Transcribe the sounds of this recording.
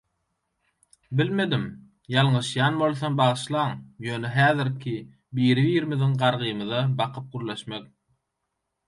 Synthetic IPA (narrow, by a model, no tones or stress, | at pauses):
bilme̞d̪im | jɑlˠɴɯʃjɑːnbo̞lˠθombɑʁɯʃlˠɑːŋjøːneɦæːðiɾkʲʰi | biːɾiviːɾimiðiŋɢɑɾʁɯjmɯðɑbɑqʰɯp̚ɡuɾle̞ʃmek̚